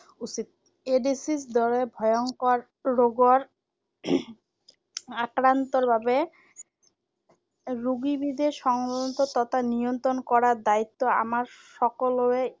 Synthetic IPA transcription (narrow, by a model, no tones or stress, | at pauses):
usit̪̚ | eɖisisd̪ɔɾebʱɔjoŋkoɾː | oɡoɾ | akɾant̪oɾbʱabe | ɾuɡibid̪eʃɔŋbont̪ot̪ɔt̪ʰanijont̪ɾonkɔɾaɾd̪ait̪ːoa̰maɾʃɔkoloe